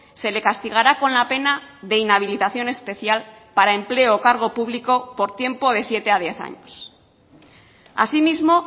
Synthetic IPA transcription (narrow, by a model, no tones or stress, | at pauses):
se̞le̞kast̪iɣ̞aɾako̞nlape̞naðe̞inaβ̞ilit̪aθjo̞ne̞spe̞θjal | paɾae̞mple̞oːkaɾɣ̞o̞puβliko̞po̞ɾt̪je̞mpo̞ð̞e̞sje̞t̪e̞að̞je̞θa̰ɲos | a̰simizmo̞